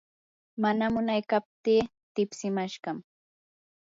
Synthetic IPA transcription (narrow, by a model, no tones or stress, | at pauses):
manamʊnajkap̚t̪iː | t̪ɪpsɪmaʃɢɑm